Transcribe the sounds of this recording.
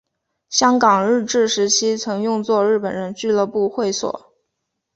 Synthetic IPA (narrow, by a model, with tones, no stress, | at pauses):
ɕjɑ˥ŋkɑ˨˩ŋɻɻ̩˥˧ʈ͡ʂɻ̩˥˩ʂɻ̩˧˥t͡ɕʰi˥t͡sʰɤ˧˥ŋjʊ˥˧ŋt͡swɔ˥˧ɻɻ̩˥˩pə˨˩nɻə˧˥nt͡ɕy˥˧lɤ˥˧pu˥˧xwe˥˩ɪswɔ̰˨˩˦